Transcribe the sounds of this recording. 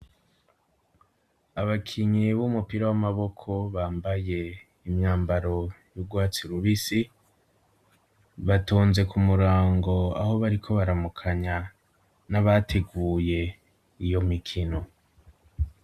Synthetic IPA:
aβakʰiɲiβumupiɾawamaβo̞kʰo̞βaːmbaje̞ | imɲaːmbaɾo̞juɡwaːt͡siɾuβisi | βatuːnze̞kumuɾaːŋɡo̞a̰ho̞βaɾikʰo̞βaɾamukʰaɲa | naβatʰe̞ɡuːje̞ | ijo̞mikʰino̞

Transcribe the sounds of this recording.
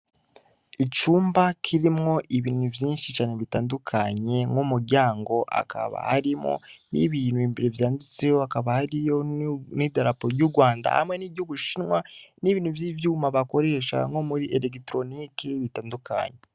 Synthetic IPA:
it͡ʃuːmbakʰiɾimŋo̞ʔiβiːnuvjiːnʃit͡ʃaːne̞βitaːndukʰaɲe̞ŋumuɾɟaːŋɡo̞ʔa̰kʰa̰βa̰haɾimo̞̰nḭβiːn̥huiːmbeɾevjaːndit͡sejoakaβahaɾijo̞nidaɾapoɾɟuɾɡwaːnda̰ha̰mŋe̞niɟuβuʃinwaniβiːnhuvjiːvjuːmaβako̞ɾe̞ːʃa̰ŋo̞muɾiʔeɾekitɾo̞nikeβitaːnduka̰ɲe

